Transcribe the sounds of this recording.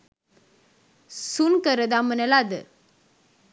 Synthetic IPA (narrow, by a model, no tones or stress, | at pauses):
sunkəɾəd̪amənəlad̪ə̰